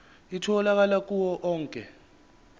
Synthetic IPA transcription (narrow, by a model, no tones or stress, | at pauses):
itʰɔlak̬alak̬ʼuwɔʔɔːŋkʼɛ̰